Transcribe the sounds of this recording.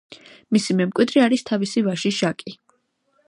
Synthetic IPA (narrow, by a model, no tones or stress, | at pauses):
misimɛmkʼwid̪ɾiaɾist̪ʰavisivaʃiʃakʼi